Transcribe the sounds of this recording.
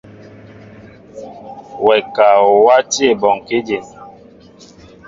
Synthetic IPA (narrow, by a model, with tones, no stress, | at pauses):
wɛ˨ka˨ɔ˨wa˦ti˦e˨bɔ˨ŋ˨ke˦d͡ʒe˨n